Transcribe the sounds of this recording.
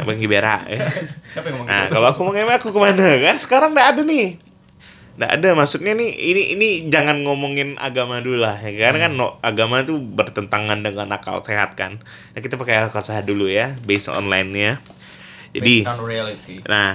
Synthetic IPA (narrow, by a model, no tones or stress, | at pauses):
baŋɡibeɾa̰ʔa | na̰kaloakumoŋemaakukəmanakansə̥kaɾaŋdaːdanɪh | nda̰ʔa̰damaksut̪̚ɲaniḭniʔinid͡ʒaŋanŋomoŋɪnʔa̰ɡamadulahjakəkaɾakanːoʔaɡamat̪ubərt̪ənt̪aŋandəŋana̰ka̰lseɦa̰t̪̚ka̰n | nakit̪apərkajaakalseɦadulujabesɔ̰nlajnɲa | d͡ʒa̰diilit̪inah